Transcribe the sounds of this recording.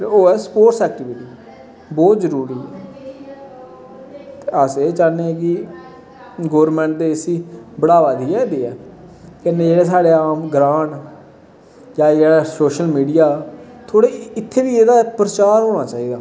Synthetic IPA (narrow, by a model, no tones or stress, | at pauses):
t̪eːoːɛːsəpoːʈsɛːk̚ʈɪʋɪʈiː | bɔːt̪zəɾuːɾiːɛ | t̪eəseːt͡ʃaːnːeːɛːk̬ɪ | ɡoːəɾmɛ̃ːɳʈ̚d̪eːɪsiːbəɽaːʋaːd̪iːɛːd̪eːɛː | kɛnẽːd͡ʒeːɽeːsaːɽeːaːmɡɾãːʈ | jãːeːɽaːsoːʃəlmiːɖijaː | t̪ʰoːɽeːɪt̪ʰːeːʋiːeːd̪aːpɾət͡ʃaːɾɦoːɽaːt͡ʃaːiːd̪aː